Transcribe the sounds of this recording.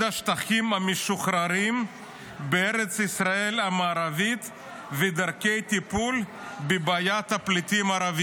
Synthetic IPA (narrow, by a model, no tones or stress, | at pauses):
aʃt̪aχimameʃuχɾaɾim | beeɾet͡sisʁae̞lamaːɾavit̪ | ved̪aʁkejt̪ipul | bebaːjat̪haplit̪imaːɾavi